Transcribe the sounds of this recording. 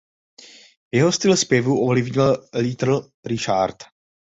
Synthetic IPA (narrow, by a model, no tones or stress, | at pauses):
vjɛɦo̞st̪ɪlɛspjɛvuʔovlɪvɲɪllit̪r̩l̩ | ɾɪʃaɾt̪